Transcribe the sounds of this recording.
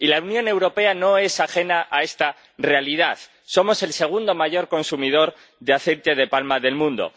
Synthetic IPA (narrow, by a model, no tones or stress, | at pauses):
ilaunjõne̞wɾo̞pe̞ano̞e̞saxe̞naʔae̞st̪a | re̞aliðaθ | so̞mo̞se̞lse̞ɣ̞und̪o̞maʝo̞ɾko̞nsumið̞o̞ɾ | ðeaθe̞jt̪eð̞e̞palmaðe̞lmũnd̪o̞̰